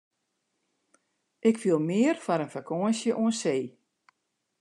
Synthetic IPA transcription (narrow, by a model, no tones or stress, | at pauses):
ʔɪkfiəlˠmɪərfaɾənfakʰoənsjəʔuənseː